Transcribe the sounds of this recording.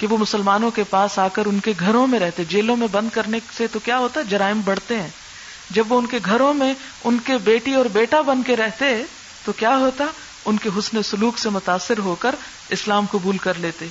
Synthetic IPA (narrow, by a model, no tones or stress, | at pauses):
keʋomʊsəlmaːnõkepaːsaːkəɾʊnkeɡʱɐɾõmẽɾɛɦt̪eɦɛd͡ʒeːlõmẽbɐ̃nd̪̚kɐɾneset̪okjaːɦoːt̪aɦɛd͡ʒɐɾaːɪmbɐɽ̤t̪eɦɛ̃ː | d͡ʒɐbʋoʊnkeɡʱɐɾõmẽ | ʊnkebeːʈiɔːɾbeːʈabɐ̃nd̪keɾɛɦt̪eɦɛ̃ | t̪okjaːɦoːt̪aɦɛ | ʊnkeɦʊsnesʊluːksemʊt̪aːsːɪɾɦoːkəɾ | ɪslaːmkʊbuːlkɐɾleːt̪eɦɛ